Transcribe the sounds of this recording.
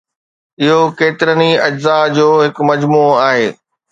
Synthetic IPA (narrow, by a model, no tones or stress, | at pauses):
ɪɦokeːt̪ɪɾəniɐd͡ʑzad͡ʑoːɦɪkmɐd͡ʑmuːaːɦḛː